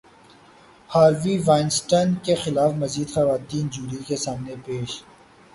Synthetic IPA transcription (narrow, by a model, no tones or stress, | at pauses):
haːɾʋiʋaːɪnsʈənkexɪlaːfmɐziːd̪xɐʋaːt̪iːnd͡ʒuːɾikesaːmnepeːʃ